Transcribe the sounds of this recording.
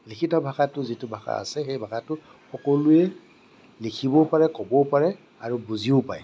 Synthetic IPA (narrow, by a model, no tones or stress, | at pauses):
likʰitɔbʱakatʊzitʊbʱaxa̰a̰sɛxejbʱakatʊ | xɔkolʊɛ | likʰibɔpaɹɛkɔbɔpaɹɛ | aɹubuziʊpaɛ